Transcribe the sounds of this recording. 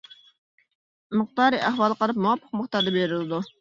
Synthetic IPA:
mɨχt̪ɑːɾɨʔæhwɑːlˠəqɑlˠɨp̚muwɑpʰːəq̚məχt̪ɑɾd̪ɑbeɾɪlɨd̪u

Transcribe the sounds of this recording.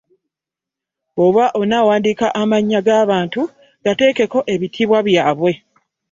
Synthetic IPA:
oβwaʔo̞nawaːndiːkaʔamaɲːaɡaːβaːntu | ɡ̥ate̞ːke̞ko̞ʔe̞βitʰiːβwaβjaːβwe̞

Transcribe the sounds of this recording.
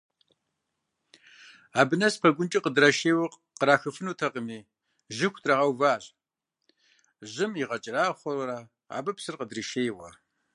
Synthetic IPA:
aːbɨnɐspʰɐɡʷʊnt͡ʃʼiqədrɐʃeːwɐ | qəɾaːxɨfɨnuːtʰɐqʼəmiː | ʒɪxʷtʰʼrɐʁɐwvaːɮ | ʑɪmiʁɐt͡ʃʼɪraːχʷɐɾɐɾaː | a̰ːbɨpsɨrqədriʃeːjwɐ̰

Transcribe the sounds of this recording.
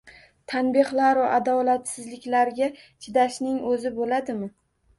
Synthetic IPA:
t̪ʰanbɪhlaɾvaʔad̪ɒlat̪sɪzlɪkʲlaɾɡʲa | t͡ʃʰɪd̪aʃnɪŋɵzɪbolad̪ɪmɪ

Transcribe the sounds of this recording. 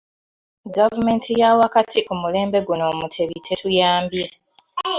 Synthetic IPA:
ɡavume̞ːntʰijawakatʰiʔumule̞ːmbe̞ɡuno̞ːmutʰe̞βitʰe̞tujaːmbje

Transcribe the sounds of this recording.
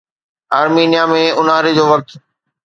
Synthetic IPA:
aːɾmiːnjamẽʊnaːɾed͡ʑoːʋɐk̚t̪

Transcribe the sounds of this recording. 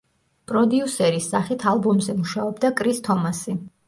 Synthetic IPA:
pʼɾɔd̪iusɛɾisːaχit̪ʰalˠbɔmzɛmuʃaɔbd̪akʼɾist̪ʰɔmasi

